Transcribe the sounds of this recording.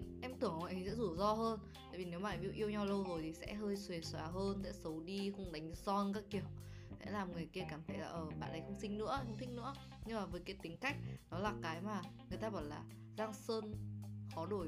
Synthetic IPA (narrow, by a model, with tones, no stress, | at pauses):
ʔɛ˧mt̪ɨ˧˩əŋwa̰˨˦sɛ̰˧˥zu˧˩zɔ˧ɦəː˧n | t̪a̰ː˧˨vi˨˩ne˨˦wmaː˨˩˨ʔi˧wʔi˧əwɲa˧wlə˧wzo˨˩jt̪ʰi˨˩sɛ̰˧˥ɦəː˧jswe˨˩swaː˨˦ɦəː˧nsɛ̰˧˥sə˨˦wɗi˧xə˧wŋ͡mɗa˨˦jŋ̟zɔ˧nkaː˦˥kːi˧˩əw | sɛ̰˧˥laː˨˩mŋɨ˨˩əjki˧əkaː˧˩mt̪ʰə˨˦jlaː˨˩ʔəː˧˩ɓa̰ː˧˨nʔɗə˨˩jxə˧wŋ͡msï˧ŋ̟nɨ̰˧˥ə˧xə˧ŋ͡mt̪ʰŋ̟̚nɨ̰˧˥ə | ɲɨ˧ŋmaː˨˩vəː˨˦jkaː˨˦jt̪ï˨˦ŋ̟ka˦˥jk̟̚nɔ˨˦laː˨˩kaː˨˦jmaː˨˩ | ŋɨ˨˩əjt̪aː˧ɓɔ˧˩nlaː˨˩ | zaː˧ŋsəː˧nxɔ˨˦ɗo˧˩j